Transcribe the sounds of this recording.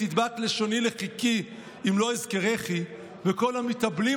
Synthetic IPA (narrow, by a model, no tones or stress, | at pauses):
id̪batleʃo̞nileχiki | imlo̞izkeʁeχi | veko̞lamit̪abli